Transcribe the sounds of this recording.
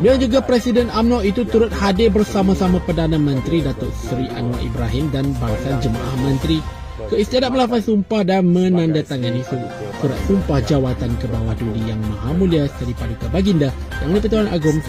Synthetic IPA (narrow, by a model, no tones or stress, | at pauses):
bilad͡ʒuɡapɾɛsidənamnɔʔit̪ut̪uɾʊt̪̚hadɪbərsamãsamãpərdanãmə̃nt̪ɾidat̪ʊʔsɾiʔa̰nwa̰ʔḭbɾaɦimdanbaisand͡ʒəma̰ʔahmə̃nt̪ɾi | kəist̪iadat̪̚məlafansumpahdanmə̃nãndat̪aŋanisu | suɾa̰t̪̚sumpahd͡ʒawat̪ankəbawahdudijaŋmãɦamũliasə̥k̪aɾipaduk̪abaɡindajaŋdipət̪̬uana̰ɡʊm